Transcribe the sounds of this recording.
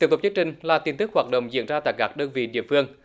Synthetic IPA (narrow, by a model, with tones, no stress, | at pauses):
i˧˦˥ət̪k͡p̚i˧əŋt͡ɕï˨˩ŋ̟laː˨˩t̪i˧nt̪ɨ˦˥k̚haː˨˩t̚ɗə̰˧˨wŋ͡mzḭ˧˥ənzaː˧t̪a̰ː˧˨jkaː˦˥k̚ɗəː˧nvḭ˧˨ɗḭ˧˨əfɨ˧əŋ